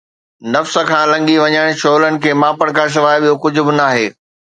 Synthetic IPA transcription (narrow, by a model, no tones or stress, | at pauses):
nɐfsə̆kʰãːlɐ̃ŋɡiʋɐɲaːɪɽ̃ʃoːlənɪ̆kʰeːmãːpəɽ̃kʰãːs̬ɪʋaːɪɓijokʊd͡ʑʱʊ̆bɪnaːɦeː